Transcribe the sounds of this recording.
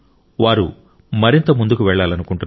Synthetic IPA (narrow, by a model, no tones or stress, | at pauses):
ʋaːɾṵ | mɐɾint̪ɐmund̪ukuʋɛɭːaːlɐnukuɳʈun